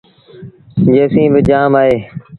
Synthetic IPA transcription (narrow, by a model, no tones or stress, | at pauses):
d͡ʒeːsĩːbɪd͡ʒaːmaːɦeː